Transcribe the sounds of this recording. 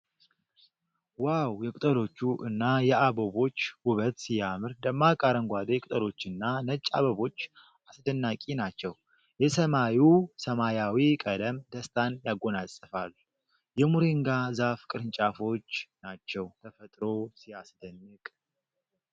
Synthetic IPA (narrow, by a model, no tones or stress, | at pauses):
wawjɛkʼʊt̪ʼəlo̞t͡ʃːuʔɨnːajɛabəβo̞t͡ʃːwʊβət̪sijamɨɾd̪əmːakʼaɾəŋɡʷad̪kʼʊt̪ʼəlo̞t͡ʃːɨnːanət͡ʃʼːa̰βəβo̞t͡ʃː | ʔasd̪ənːakʼinat͡ʃːɛw | jɛsəmajusəmajawikʼəd̪əmd̪əst̪ʰanjaɡːo̞nasʼəfalːu | jɛmuɾiŋɡazafkʼɨɾɨnt͡ʃʼafo̞t͡ʃːnat͡ʃːɛwt̪ʰəfət̪ʼɾo̞sijasd̪ənːɨkʼ